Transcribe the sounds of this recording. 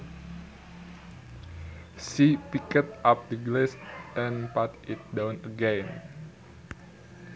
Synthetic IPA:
sipikət̪̚ʔap̚d̪əɡlɛsʔɛ̃npat̪it̪̚dãwnəɡɛ̃n

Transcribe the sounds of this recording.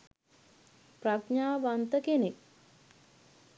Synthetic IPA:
pɾakɲaːʋant̪əkenek̚

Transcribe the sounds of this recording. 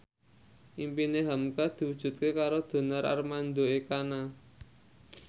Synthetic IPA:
ʔimpineɦamkad̪̥i̤wud̥ʒ̥ṳt̪̚kekaɾod̪̥o̤nəɾa̰rmand̪oekana

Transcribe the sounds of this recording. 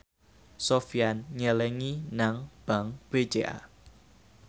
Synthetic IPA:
sofianɲəlɛŋinaŋb̥a̤ŋb̥e̥d͡ʒ̥eʔa̰

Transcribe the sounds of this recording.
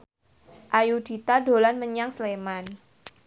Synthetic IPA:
ʔajud̥it̪ado̤lanməɲaŋsleman

